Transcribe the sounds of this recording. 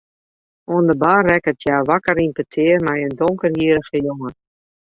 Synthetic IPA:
oəndəbarɛkətʰjaːʋakəɾimpətʰɪːrmɛjəndoŋkərhiəɾəɣəjoŋə

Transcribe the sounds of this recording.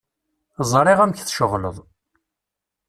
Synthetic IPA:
zˤɾˤiʁæmçθʃəʁlə̰ðˤ

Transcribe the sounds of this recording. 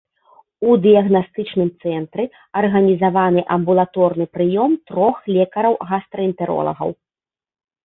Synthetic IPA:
ud̪ɨjɐɣnast̪ɨt͡ʂnɨmt̪sɛnt̪ɾɨ | ɐrɣɐnʲizavanɨʔɐmbulˠat̪ɔrnɨpɾɨjɔmt̪ɾɔxlʲɛkɐɾɐwɣast̪ɾɐint̪ɛɾɔ̰lˠɐ̰ɣɐ̰w

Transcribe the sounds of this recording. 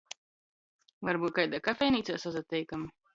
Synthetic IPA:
vaɾbuːt̪̚kajd̪akafʲɛjniːt̪saːsazat̪ʲːɛjkam

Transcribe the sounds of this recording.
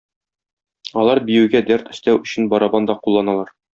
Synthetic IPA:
ɒlˠɑɾbijɘ̆wɡæd̪æɾt̪ɵ̆st̪æwɵ̆ɕɘ̆nbɒɾɑbɑnd̪ɒqulˠːɑnɑlˠɑɾ

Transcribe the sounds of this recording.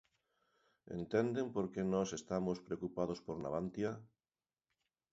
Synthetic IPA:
ḛnt̪ɛnd̪empoɾkenɔsest̪amospɾeokupað̞ospoɾna̰β̞ant̪ja

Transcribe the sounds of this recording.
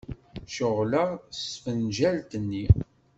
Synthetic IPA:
ʃʊʁləʁsfənʒælt̪ənːi

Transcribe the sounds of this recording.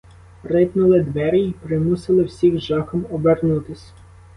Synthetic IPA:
rɪpnʊlˠɪd̪ʋɛɾʲjipɾɪmusɪlˠɪwsʲiwʒɑxɔmɔbernut̪ɪsʲ

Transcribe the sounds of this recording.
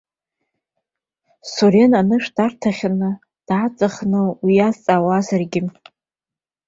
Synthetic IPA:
soɾenanɨʂdartʰaχʲanɨ | d̥at͡sʼaχnɨwijazt͡sʼawazarɡʲɪ

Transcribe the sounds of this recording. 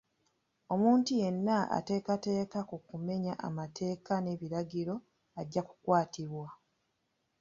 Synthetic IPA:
o̞muːntuje̞nːaa̰te̞ːkate̞ːkakukume̞ɲaʔa̰matʰe̞ːkane̞βiɾaɟiɾo̞ | aɟːaku̥kwaːtʰiβwa

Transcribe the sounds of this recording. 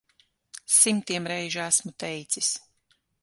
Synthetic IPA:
simt̪iɛmɾɛjʒæsmut̪ɛjt̪sis

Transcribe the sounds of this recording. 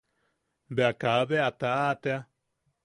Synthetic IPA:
beakaβeat̪aat̪ea

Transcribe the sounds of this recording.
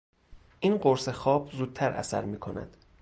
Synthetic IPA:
ʔiːnɢoɾsexɒːbzuːd̪̥̚t̪ʰæɾæ̰sæ̰ɾmiːkʰo̞næ̰d̪̥

